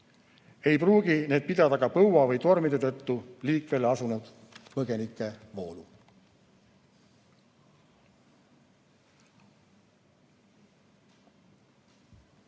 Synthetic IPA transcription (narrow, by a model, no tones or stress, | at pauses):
e̞jpruːɡ̥ine̞ːd̪̚pid̪ɑd̪ɑɡɑpɤwwɑvɤjt̪o̞rmid̪e̞t̪ɤt̪ːuliːkve̞lɑsunud̪̥ | pɤɡ̥e̞nikːˑe̞vo̞ːlu